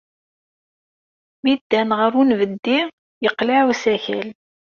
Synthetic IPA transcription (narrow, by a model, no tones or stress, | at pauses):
mid̪ːænʁəɾunvəd̪ːi | jəqlaʕusæçæl